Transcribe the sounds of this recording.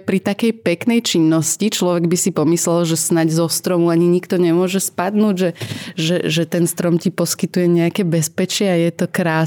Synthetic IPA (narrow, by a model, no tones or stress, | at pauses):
pɾit̪akɛjpɛknɛjt͡ʃinːɔscit͡ʃlɔʋɛɡbisipɔmislɛlʒɛsnaɟzɔst̪ɾɔmuaɲiɲikt̪ɔɲɛmʊɔʒɛspad̪nuːɟʒɛʒɛʒɛt̪ɛnst̪ɾɔmcipɔskit̪ujɛɲɛakɛbɛspɛt͡ʃɪɛajɛt̪ɔkɾaː